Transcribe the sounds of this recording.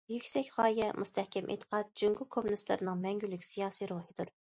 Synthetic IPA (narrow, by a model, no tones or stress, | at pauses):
jykʲsɛkʲʁɑːjɛmʔust̪ʰɛhkʲɛmʔḛt̪ʰə̥qʰɑt̪̚d͡ʒyŋɡʊkʰomːunist̪lˠɨ̰ɾɨnɨŋmɛŋɡʲylːykʲsijɑːsiɾuhɨd̪̥uɾ